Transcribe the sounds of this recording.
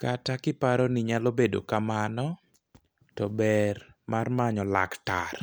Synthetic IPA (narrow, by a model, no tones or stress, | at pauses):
katakɪpaɾɔnɪɲalobedo̰kamanɔ | tɔbɛr | marmaɲɔla̰kta̰r